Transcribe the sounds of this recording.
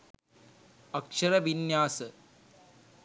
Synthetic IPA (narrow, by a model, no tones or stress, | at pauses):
ɐkʂɐɾɐʋinjaːsɐ